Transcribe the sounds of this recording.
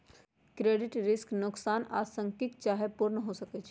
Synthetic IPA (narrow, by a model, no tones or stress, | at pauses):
kɾeːɖɪʈɾɪsknʊksaːna̰ːsə̃ŋkɪk̚t͡ʃaːɦepuɾnəɦosəkɛt͡ʃʰ